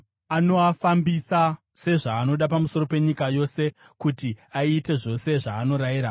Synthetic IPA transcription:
ano̞afambisa | se̞ʐaːno̞ɗapamuso̞ro̞pe̞ɲikajo̞se̞ | kutiaiːte̞ʐo̞se̞ʐaːno̞ɾaiːɾa

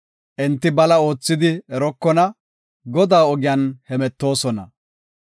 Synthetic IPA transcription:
ʔɛnt̪ːɪbɐlɐo̞ːt͡sːɪd̪ɪɛɾɔkːɔnɐ | ɡɔd̪aːɔɡɪjanhɛmɛt̪ːo̞ːsɔnɐ

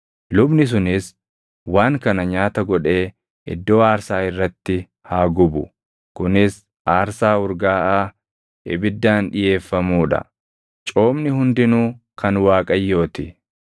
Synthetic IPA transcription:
lʊbnɪs̬ʊnɪs | waːŋkɐnɐɲaːt̪ɐɡɔᶑe̞ː | ɪ̰d̪ːo̞ːaːɾsaːɪrːɐt̪ːɪ | haːɡʊbʊ̰ | kʊnɪs | ʔaːɾsaːʊɾɡaːʔaː | ɪbɪd̪ːaːnᶑɪje̞ːfːɐmuːᶑɐ̰ | t͡ʃʼo̞ːmnɪhʊnd̪ɪnuːkʰɐnwaːkʼɐjːo̞ːt̪ɪ

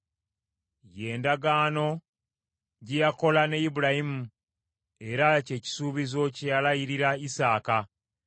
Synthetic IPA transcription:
je̞ːndaɡaːno̞ | ɟejako̞lanejibuɾahimu | e̞ɾace̞ːci̥suːβizo̞cejalajiɾiɾaisaːka

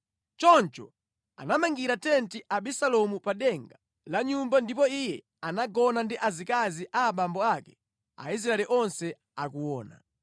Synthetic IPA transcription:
t͡ʃɔnt͡ʃɔ̰ | a̰namaŋɡiɾatɛntiʔaɓisalɔmupaɗɛŋɡa | laɲumbandipɔijɛ | anaɡɔnandiʔazikaziʔaːɓambɔakɛ̥̰ | a̰isɾaɛliʔɔnsɛ | akuwɔːna̰

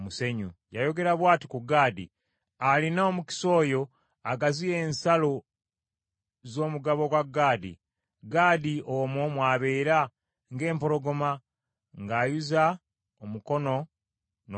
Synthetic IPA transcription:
museɲṵjajo̞ɡe̞ɾaβwaːti̥kuɡaːdḭ | alinaomuki̥so̞ːjo̞ | aɡazije̞ːnsalo | zo̞ːmuɡaβoɡwaɡaːdḭ | ɡaːdiomomwaːβe̞ːɾa | ŋɡe̞ːmpo̞ɾo̞ɡo̞ma | ŋɡaːjuza | omuko̞no̞ | n

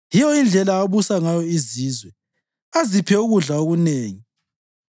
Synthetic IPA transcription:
jijɔind͡ɮʱɛlaːβusaŋajɔiziːzwɛ | azipʰɛuɣuɮaoɣuneːŋi

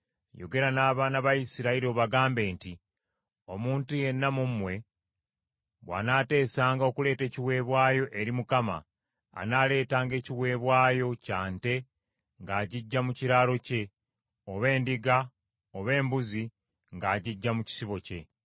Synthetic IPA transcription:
jo̞̰ɡe̞ɾanaːβaːnaβaisiɾaiɾio̞ːβaɡaːmbe̞ːnti | o̞muːntuje̞nːamumːwe̞ | βwa̰naːte̞ːsaːŋɡao̞kule̞ːte̞ːciwe̞ːβwaːjo̞ʔe̞ɾimukama̰ː | naːle̞ːtaːŋɡe̞ːciwe̞ːβwaːjo̞caːnte̞ | ŋɡaːɟiɟːamuciɾaːlo̞ce̞ | o̞βe̞ːndiɡa | oβe̞ːmbuzi | ŋɡaːɟiɟːamuci̥siβo̞ce̞

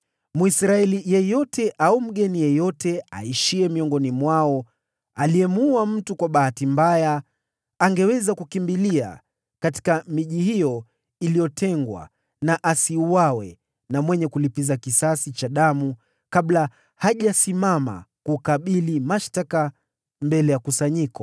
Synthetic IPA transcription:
muisɾaɛlijɛjɔtʰɛʔaum̩ɠɛnijɛjɔtɛa̰iʃiɛmiɔŋɡɔnimwaɔ | aliɛmuam̩tukwaɓahatimbajaː | ŋɡɛwɛzakukimbilia̰ | kati̥kamiʄihijɔ | ilijɔtʰɛŋɡwa̰ | naʔasiuwawɛ | namwɛɲɛkulipizakisasit͡ʃaɗamu | kaɓla | haʄasimama̰kukaɓilimaʃtaka | mbɛlɛjakusaɲikɔ

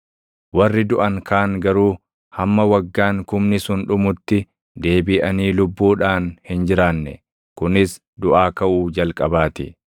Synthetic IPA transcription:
wɐrːɪd̪ʊʔɐŋkʰaːŋɡɐɾuː | hɐmːɐwɐɡːaːŋkʊmnɪsʊnᶑʊmʊt̪ːɪ | d̪e̞ːbɪːʔɐniːlʊbːuːᶑaːnhɪnd͡ʒɪɾaːnːɛ̰ | kʊnɪs | d̪ʊʔaːkɐʔuːd͡ʒɐlkʼɐbaːt̪ɪ̰

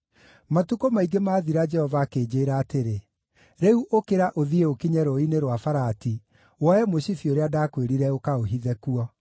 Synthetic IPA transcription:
matukomaiɡemaːðiɾad͡ʒɛhɔvaːkeːd͡ʑeːɾaːteɾe | ɾɛuʔokeɾaʔoðieokiɲɛɾɔineɾwafaɾaːti | wɔjɛmoɕifioɾeadaːkweɾiɾɛokaoɦiðɛkuɔ

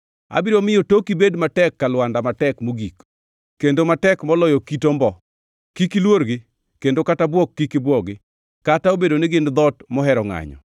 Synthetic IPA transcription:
a̰bɪɾomɪjotokibedmatɛkːalwandamatɛkmoɡik | kːendomatɛkmɔlɔjɔkitombɔ | kikilwoɾɡɪ | kendokatabwɔkːikɪbwɔɡɪ | kataobedonɪɡɪnd̪ɔtmɔɦɛɾɔŋa̰ɲɔ̰

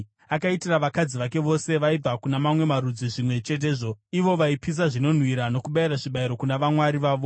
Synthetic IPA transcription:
akaitiraʋakad͡ziʋake̞ʋo̞se̞ʋaib͡vʱakunamamwe̞maɾud͡ziʐimwe̞t͡ʃe̞t̬e̞ːʐo̞iʋo̞ʋaipis̬aʐino̞n̤wiɾano̞kuɓaiɾaʐiɓaiɾo̞kunaʋamwaɾiʋaːʋo̞

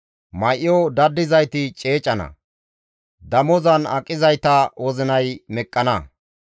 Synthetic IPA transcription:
mɐjʔjod̪ɐd̪ːɪzɐjt̪ɪt͡ʃʼe̞ːt͡ʃʼɐnɐ̰ | d̪ɐmɔzɐnɐ̰kʼːɪzɐjt̪ɐwɔzɪnɐjmɛkʼːɐnɐ

